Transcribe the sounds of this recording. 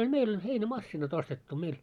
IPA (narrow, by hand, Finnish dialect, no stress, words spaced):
olʲ meil olʲ heinæmɑsːinɑt ostetːu meil